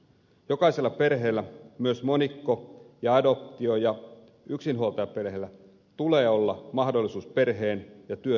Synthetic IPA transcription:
jo̞kɑise̞lːɑpe̞rɦe̞ːlːæmyøsmo̞nikːojɑɑdo̞p̚t̪io̞jɑ | yksinɦuolt̪ɑjɑpe̞rɦeːlːæ | t̪uleːo̞lːɑmɑhdolːˑisuːspe̞rɦeːnjɑt̪yø

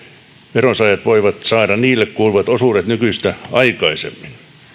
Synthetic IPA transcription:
ʋeronsɑjɑt̪ʋoiʋɑt̪sɑːdɑniːlːekkuːlʋɑt̪osuːret̪nykyist̪æɑikɑisḛmːin

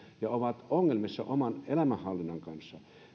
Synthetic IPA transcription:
jɑoʋɑt̪oŋːelmisːɑ̰ʔomɑnelæmæhɑlːinːɑŋkɑnsːɑ

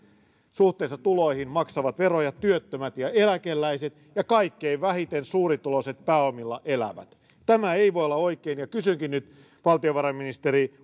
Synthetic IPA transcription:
suht̪ˑeːsːɑt̪uloihinmɑksɑʋɑt̪ʋerojɑt̪yøt̪ːømæt̪jɑelækelːæiset̪ | jɑkɑikːeiʋʋæhit̪ensuːɾit̪uloset̪̚pæːomilːɑʔelæ̰ʋæ̰t̪ | t̪æmæeiʋoijolːɑoikeːnjɑkysyŋkinnyt̪ | ʋɑlt̪ioʋɑrɑminist̪eɾi

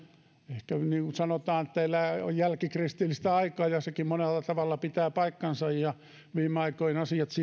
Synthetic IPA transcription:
ehkæniːŋkusɑnot̪ɑːnet̪ːæelːæo̰jjælkikrist̪ilːist̪æɑikɑːjɑsekimmonelːɑt̪ɑʋɑlːɑpit̪æːpɑikːɑnsɑjjɑ | ʋiːmeɑikoinɑsiɑt̪si

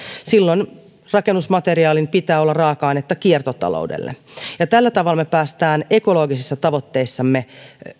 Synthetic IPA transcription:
silːoin | rɑkenːusmɑt̪eriɑːlinpit̪æːolːɑrɑːkɑinet̪ːɑkiert̪ot̪ɑ̰lo̰udḛlːḛjɑt̪ælːæt̪ɑʋɑlːɑmepæːst̪æːne̞kolo̞ːɡisisːɑt̪ɑʋot̪ːeisːɑmːe

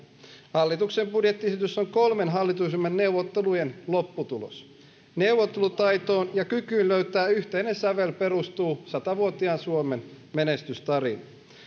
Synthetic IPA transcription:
hɑlːit̪uksembudjet̪ːiesit̪ysːoŋkolmenɦɑlːit̪usemːenne̞uwʋot̪ːelujenlopːut̪ulo̰s | ne̞uʋːot̪ːelut̪ɑjt̪oːnjɑkykyːnløyt̪æːyçt̪einensæʋelpe̞ɾust̪uːsɑt̪ɑʋuot̪iɑnsuomen | menest̪yst̪ɑɾinɑ

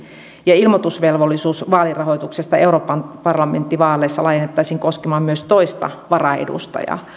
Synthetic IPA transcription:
jɑilmot̪usʋelʋolːisuːsʋɑːlirɑhoit̪uksest̪ɑeuɾoːpːɑnpɑrlɑment̪ːiʋɑːlːˑeːsːɑlɑjenːet̪ːɑisiːŋkoskemɑːmmyøst̪oist̪ɑ̰ʋɑrɑḛdṵst̪ɑ̰jɑ̰

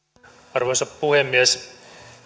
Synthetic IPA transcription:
ɑrʋojsɑppuhemːies

